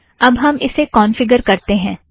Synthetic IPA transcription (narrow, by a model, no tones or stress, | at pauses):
ɐbɦɐmɪsekɔːnfɪɡəɾkɐɾt̪eɦɛ̃ː